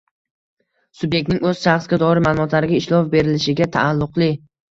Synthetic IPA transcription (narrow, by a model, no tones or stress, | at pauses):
sʊbje̞k̚t̪nɪŋɵz̥ʃaχsɡʲad̪ɒɾɪmalˠʊmɒt̪laɾɪɡʲaɪʃlɒfbe̞ɾɪlɪʃɪɡʲat̪ʰa̰ːlˠːʊqlˠɪ